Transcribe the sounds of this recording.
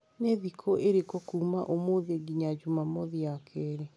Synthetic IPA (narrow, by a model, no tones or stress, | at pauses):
neðikʰoʔeɾekokuːmaʔomoðeɡiɲad͡ʒumamoðiakʰɛɾe